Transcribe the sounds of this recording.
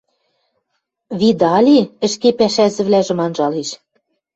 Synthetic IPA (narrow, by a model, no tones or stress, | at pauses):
βid̪ɑlʲiɘ̆ʃkepæʃæzɘ̆βlæʒɘ̆mɑnʒɑliʃ